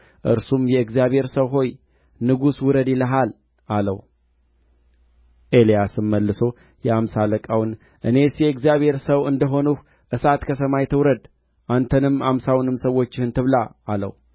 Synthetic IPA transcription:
ʔɨ̰ɾsumjɛɨɡzjaβhe̞ɾsəwɦo̞j | nɨɡuswʊɾəd̪ɪləɦal | ʔalə̰w | ʔelijasɨmːəlːɨso̞ | jɛamsaləkʼawn | ʔɨne̞sjɛɨɡzijaβhe̞ɾsəwɨnd̪əɦo̞nuh | ʔɨsat̪kʰəs̬əmajt̪ʰɨwɾəd̪ | ʔant̪ʰənɨmamsawnɨmsəwo̞t͡ʃːɪhɨnt̪ʰɨβlaːlə̰w

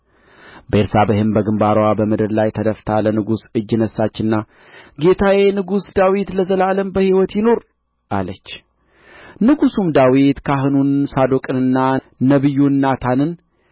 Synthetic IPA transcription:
bəeɾsabəhɨmbəɡɨmbaɾwabəmɨd̪ɨɾlajt̪ʰəd̪əft̪ʰalənɨɡusɨd͡ʒːɨnəsːat͡ʃːɨnːa | ɡe̞t̪ʰawenɨɡusd̪awit̪ləzəlaləmbəhiwɔt̪jɪno̞ɾ | ʔa̰lət͡ʃː | nɨɡusumd̪awit̪kʰaɦɨnunsad̪okʼɨnɨnːa | nəβɨjːunːat̪ʰanɨn

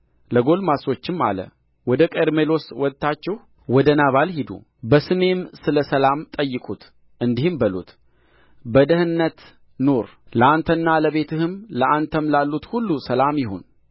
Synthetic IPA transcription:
ləɡo̞lmaso̞t͡ʃːɪmːa̰lə̰ | wɔd̪əkʼeɾmelo̞swɔt̪ːat͡ʃːɛh | wɔd̪ənaβalhid̪ṵ | bəsɨme̞msɨləsəlamt̪ʼəjːɪkʼut̪ | ʔɨnd̪ihɨmbəlṵt̪ | bəd̪əhɨnːət̪ | no̞ɾləant̪ʰənːaləβe̞t̪ʰɨhɨmləʔant̪ʰəmlalːut̪hulːusəlamjɪho̞̰n

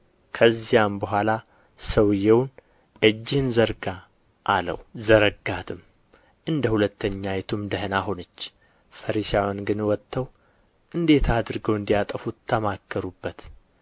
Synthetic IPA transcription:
kʰəzːijambəɦʷala | səwɨjːɛwn | ʔɨd͡ʒːɪhɨnzəɾɡa | ʔalə̰wzəɾəɡːat̪ɨm | ʔɨnd̪əhulət̪ʰːəɲːajɛt̪ʰumd̪əhnaɦo̞nət͡ʃː | fəɾiʃawanɡɨnwɔt̪ʰːəw | ʔɨnd̪e̞t̪ʰad̪ɨɾɨɡəwɨnd̪ijat̪ʼəfut̪ʰːəmakʰːəɾubːət̪

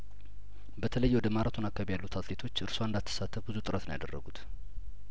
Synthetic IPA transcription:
bət̪ʰələjːwɔd̪əmaɾat̪ʰunakʰːaβjalːut̪ʰat̪let̪ʰo̞t͡ʃːɨɾswaɨnd̪alt̪ʰːə̥sat̪ʰːəfbɨzut̪ʼɨɾət̪nəjad̪ərːə̰ɡut̪

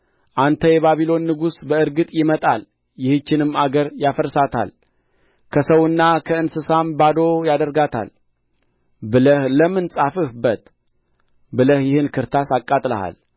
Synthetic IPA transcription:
ʔant̪ʰəjɛβaβilo̞nːɨɡusbəɨɾɡɨt̪ʼjɪmət̪ʼal | jɪhɨt͡ʃːɪnɨmaɡəɾjafəɾsat̪ʰa̰l | kʰəsəwɨnːakʰəɨnsɨsambad̪o̞jad̪əɾɡat̪ʰa̰l | bɨləhləmɨnsʼafɨhbət̪ | bɨləhjɪhɨnkʰɨɾt̪ʰasakʼːat̪ʼlə̰ha̰l

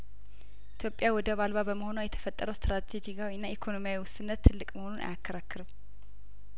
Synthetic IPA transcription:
ʔʔit̪ʰjo̞pʼjawɔd̪əβalβabəməho̞nawjɛt̪ʰə̥fət̪ʼːəɾəwst̪ɾat̪ʰed͡ʒiawiɨnːaikʰo̞no̞mijawiwʊsɨnːət̪ʰːɨlːɨkʼməhonunʔa̰jakʰːəɾakːɨɾɨm

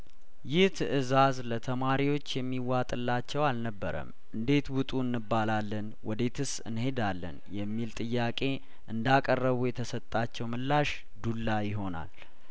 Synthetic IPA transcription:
jɪht̪ʰɨʔɨzazlət̪ʰəmaɾiwo̞t͡ʃːjɛmːiwat̪ʼɨlːat͡ʃːɛwalnəbːə̰ɾə̰m | ʔɨnd̪e̞t̪wʊt̪ʼuɨnːɨbːalalːən | wɔd̪e̞t̪ʰɨsɨ̰nhe̞d̪alːə̰njɛmːilt̪ʼɨjːakʼe̞ | ʔɨnd̪akʼərːəβujɛt̪ʰəsət̪ʼːat͡ʃːɛwməlːaʃ | d̪ulːajɪɦo̞na̰l

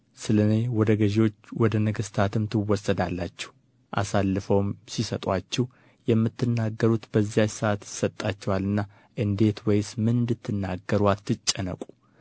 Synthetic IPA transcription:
sɨlənewɔd̪əɡəʒwo̞t͡ʃːwɔd̪ənəɡəst̪ʰat̪ɨmt̪ʰɨwːɔsːəd̪alːat͡ʃːɛ̥h | ʔa̰salːɨfəwmsisət̪ʼat͡ʃːɛh | jɛmːɨt̪ːɨnːaɡːəɾut̪b̥əzːijajsəʔat̪jɪsət̪ʼːat͡ʃːɛwalɨnːa | ʔɨnd̪e̞t̪wɔjsmɨnd̪ɨt̪ːɨnːaɡːəɾwat̪ːɨt͡ʃʼːɛnə̰kʼu̥

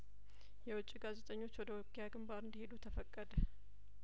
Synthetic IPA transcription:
jɛwʊt͡ʃʼːiɡazet̪ʼəɲːo̞t͡ʃːwɔd̪əwɔkʰːejaɡɨmbaɾɨnd̪əhe̞d̪ut̪ʰəfəkʼːəd̪ə

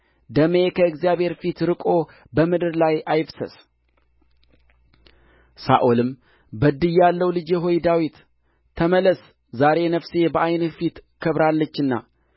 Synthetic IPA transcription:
d̪əme̞kʰəɨkzijaβhe̞ɾfit̪ɾɨkʼo̞ | bəmɨd̪ɨɾlajʔajfsə̰s | sa̰ʔolɨm | bəd̪ɨjalːəwlɨd͡ʒɛɦo̞jd̪awit̪ʰː | əmələs | zaɾe̞nəfse̞bəʔajnfit̪kʰəβɾalːət͡ʃːɨnːa̰

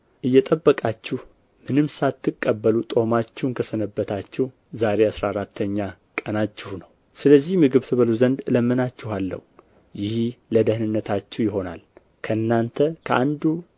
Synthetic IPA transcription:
ʔɨjːɛt̪ʼəbːəkʼat͡ʃːɪh | mɨnɨmsat̪ʰːɨkʼːəbːəlut̪ʼo̞mat͡ʃːɛwnkʰəsənəbːət̪ʰat͡ʃːɪh | zaɾe̞asɾaɾat̪ʰːəɲːa | kʼənat͡ʃːɪhunəw | sɨləzːihmɨɡɨβt̪ʰɨβəluzənd̪ləmːɨnat͡ʃːɪhalːə̰hu | jɪhləd̪əhnɨnːət̪ʰat͡ʃːɛwjɪɦo̞na̰l | kʰəɨnːant̪ʰəkʰəʔand̪u

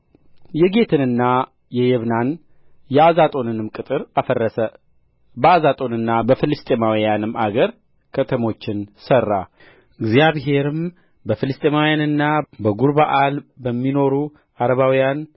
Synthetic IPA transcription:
jɛɡe̞t̪ʰɨnɨnːa | jɛjɛβnan | jɛazat̪ʼo̞nɨnɨmkʼɨt̪ʼɨɾafərːəsə | bəazat̪ʼo̞nɨnːabəfɨlɨst̪ʼemawijanɨmaɡəɾ | kʰət̪ʰəmo̞t͡ʃːɪnsərːa̰ | ɨɡzjaβɦe̞ɾɨm | bəfɨlɨst̪ʼemawjanɨnːabəɡuɾbaʔalbəmːino̞ɾu | ʔaɾəβawijan

